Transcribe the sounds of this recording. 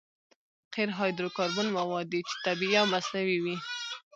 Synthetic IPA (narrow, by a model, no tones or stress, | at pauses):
qeɾɦɑjd̪ɾokɑɾbʊnmawɑd̪ːit͡ʃe̥t̪abiawmasnawiwi